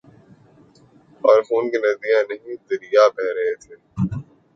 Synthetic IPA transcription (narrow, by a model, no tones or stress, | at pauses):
ɐːɾxuːnkenɐdijãnɐɦĩd̪ɐɾijabɛɦɾɐɦet̪ʰeː